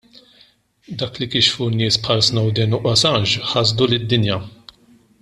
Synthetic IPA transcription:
d̪ɐːklikɪʃfunɪːspħɐlsnɐwd̪ɛnʊʔɔsɐnʃħɐzd̪ulɪd̪ːɪnjɐ

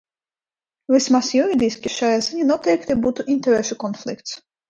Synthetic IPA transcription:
vʲismasjuɾʲid̪ʲiskʲiʃajaziɲʲanuɔt̪ɛjkt̪ɛbuːt̪uʔinʲt̪ɛɾɛʃukɔnflʲˠik̚t̪s

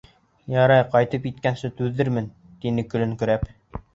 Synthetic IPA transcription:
jɑɾɑjqɑjt̪ɤpjit̪kænsɘt̪ʉðːɘɾmɘn | t̪inɘkɵ̆lɘ̆ŋkɵ̆ɾæp

